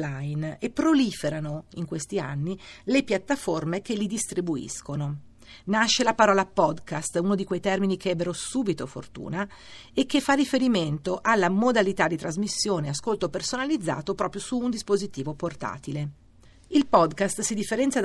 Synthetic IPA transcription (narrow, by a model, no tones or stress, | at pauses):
lajnepːɾoliːfeɾanoiŋkwest̪ia̰nːilepjat̪ːaformek̟elːid̪ist̪ɾibuḭskono | naʃːelapaɾɔːlapɔd̪kast̪unod̪ikwejt̪ɛrminik̟eɛbːeɾosuːbit̪ofo̰rt̪ṵːna | ekːefːarifeɾiment̪oʔalːamod̪alit̪ad̪ːit̪ɾazmisːjoːneaskolt̪opersonalid̪zːa̰ːt̪opɾɔːpɾjosuːnd̪ispozit̪iːvoport̪a̰ːt̪ile | ilpɔd̪kast̪sid̪ifːeɾɛnsjad̪